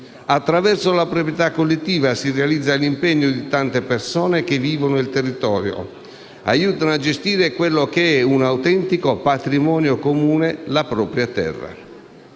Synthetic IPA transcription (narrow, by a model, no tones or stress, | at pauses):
at̪ːɾavɛrsolapɾɔpɾjɛt̪akːolːet̪ːiːvasirealid̪zːalimpɛɲːod̪it̪ant̪epersɔːnek̟evːiːvonoilt̪erːit̪ɔːɾjo̰ | a̰juːt̪anoad͡ʒest̪iːɾekwelːok̟eɛunawt̪ɛnt̪ikopat̪ɾimɔːnjokomuːnelapɾɔːpɾjat̪ɛ̰rːa̰